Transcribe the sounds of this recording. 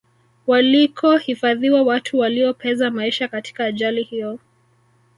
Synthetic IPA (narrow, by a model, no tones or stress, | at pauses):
walikʰɔhifaðiwawatʰuwaliɔpʰɛzamaiʃakatʰi̥kaːʄalihijɔ